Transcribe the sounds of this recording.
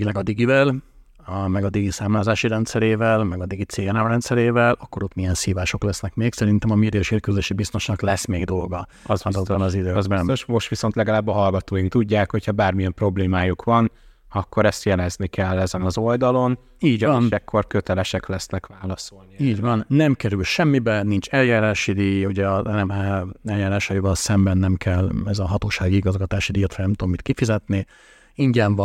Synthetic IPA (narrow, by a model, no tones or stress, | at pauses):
lɛɡɒd̪iɡivɛl | mɛɡɒd̪iɡisaːmlaːzaːʃiɾɛnt̪sɛɾeːvɛlmɛɡɒd̪iɡit̪seːjɛnamrɛnt̪sɛɾeːvɛlʔɒkːo̞ɾot̪mijɛnsiːvaːʃo̞klɛsnɛkmeːksɛɾint̪ɛmɒmid̪øːʃeːkøzøʃibist̪o̞ʃnɒklɛsmeːɡd̪o̞lɡɒɒzɒzɒzɒnɒzid̪øːzbɛnɛmøʃmo̞ʃt̪ʋiso̞nt̪lɛɡɒlaːbːɒɦɒlɡɒt̪oːjiŋk̚t̪uɟːaːkho̞chɒbaːrmijɛmpro̞bleːmaːjukʋɒn | ɒkːo̞ɾɛst̪jɛlɛznikɛlːɛzɛnɒzo̞ld̪ɒlo̞n | iːɟɒɒndɛkʰːo̞rkø̞t̪ɛlɛʃɛklɛsnɛkʋaːlɒso̞lniiːɟvɒnːɛmkɛɾylʃɛmːibɛnint͡ʃɛljaːɾaːʃid̪iːjuɟɛɒɛɛmɛɛljaːɾaːʃɒjivɒlsɛmbɛnːɛmkʰɛlːɛzɒɦɒt̪oːʃaːɡiiɡɒzɡɒt̪aːʃid̪iːjot̪hɒnɛmt̪uomːit̪kifizɛt̪ni | iɲɟɛɱvɒ